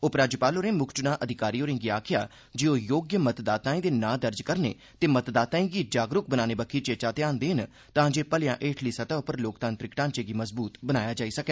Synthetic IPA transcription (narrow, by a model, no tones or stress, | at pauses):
ʊpɾaːd͡ʒupaːloːɾẽːmʊkʰt͡ʃʊnaːʔəd̪ʱɪkaːɾiːoːɾẽːŋɡiːaːkʰɪja̰ː | d͡ʒiːoːjoːɡjəmət̪d̪aːt̪ãːĩːd̪eːnãːd̪əɾd͡ʒkəɾnḛː | t̪eːmət̪d̪aːt̪ãːĩːɡiːd͡ʒaːɡɾʊk̚bənaːneːbəkʰiːt͡ʃeːt͡ʃaːt̪eãːnd̪eːɦɪn | t̪ãːd͡ʒeːpəlɪjã̰ːʔeːʈʰliːsət̪aːʊpəɾloːk̚d̪ãːnt̪ɾɪkʈãːnt͡ʃeːɡiːməzbuːt̪bənaːjaːd͡ʒaːiːsəkeː